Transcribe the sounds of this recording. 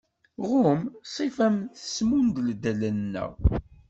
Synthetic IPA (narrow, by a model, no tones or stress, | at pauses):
ʁʊmsˤifæmθə̥smund̪ld̪ælənːæ̰w